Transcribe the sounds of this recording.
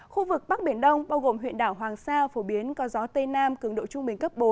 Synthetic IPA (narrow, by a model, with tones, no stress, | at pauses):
xu˧vɨ˨˩k̚ɓa˦˥k̚ɓi˧˩ənɗə˧wŋ͡mɓaː˧wɣo˨˩mɦwḭ˧˨ənɗaː˧˩wɦwaː˨˩ŋsaː˧fo˧˩ɓi˨˦ənkɔ˨˦zɔ˨˦t̪ə˧naː˧mkɨ˨˩əŋɗo̰˧˨t͡ɕʊ˧ŋ͡mɓï˨˩ŋ̟kə˦˥p̚ɓo˨˦n